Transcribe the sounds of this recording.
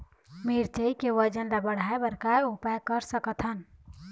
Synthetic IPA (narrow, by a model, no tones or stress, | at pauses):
miɾt͡ʃəikeʋəd͡ʒənlabəɽ̤aːebəɾkaupajkəɾsəkət̪ʰɦən